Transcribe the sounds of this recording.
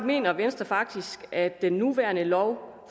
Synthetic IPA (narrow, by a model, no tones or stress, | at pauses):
me̝̰ːnɐʋensd̥ɐfɑ̈ɡ̥̚d̥isɡ̥æ̥enːuʋæɐnəlɒʊ | f